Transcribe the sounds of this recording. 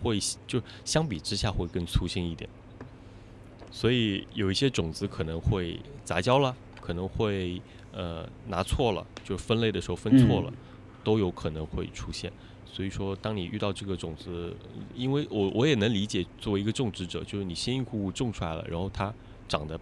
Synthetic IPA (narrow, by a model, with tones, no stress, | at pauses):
xwe˥˩ɪt͡ɕjo˥˧ʊʂ̩˥˩ɕjɑ˥ŋp̬i˨˩ʈ͡ʂɻ̩˥ɕja˥˧˩xwe˥˩ɪkə˥nt͡sʰu˥ɕɛ˥˧ni˥˩t̪jɛ̰˨˩˦n | swɔ˧˥i˨˦jo˨˩ʊi˥˩ɕjɛ˥ʈ͡ʂʊ˨˩ŋt͡sɹ̩˧˥kʰɤ˨˩nɤ˧˥ŋxwe˥˩ɪt͡sa˧˥t͡ɕjɑ˥ʊlə˨ | kʰɤ˨˩nɤ˧˥ŋxwe˥˧˩ɪ | ə̰˧na˧˥t͡sʰwɔ˥˩lə̰˩t͡ɕjo˥˧ʊʂɻ̩˥˧fə˥nle˥˩ɪd̪ə˩ʂɻxo˧ʊfə˥nt͡sʰwɔ˥˩lə̰˩ | t̪o˥ʊjo˧˥ʊkʰɤ˨˩nɤ˧˥ŋxwe˥˧ɪʈ͡ʂʰu˥ɕjɛ̰˥˩n | swɔ˧˥i˨˩ʂwɔ˥t̪ɑ˥ŋni˨˩ʔy̰˥˧t̪ɑ˥˧ʊʈ͡ʂɤ˥˩ɡə˩ʈ͡ʂʊ˨˩ŋd͡zɹ̩˧˥ | i˥nwe˥˩ɪwɔ˨˩wʔɔ˧˥jɛ˨˩nɤ˧˥ŋli˧˥t͡ɕjɛ˨˩t͡swɔ˥˩wi˧˥ɡə˧ʈ͡ʂʊ˥˩ŋʈ͡ʂɻ̩˧˥ʈ͡ʂɤ̰˨˩˦t͡ɕjo˥˧ʊʂɻ̩˥˩ni˨˩ɕɛ˥ni˥˧ŋkʰu˥˧u˥˧ʈ͡ʂʊ˥˧ŋʈ͡ʂʰu˥la̰˧˥ɪlə̰˧˩ɻa̰˧˥nxo˥˩ʊt̪ʰa˥ | ʈ͡ʂɑ˨˩ŋd̪ə˦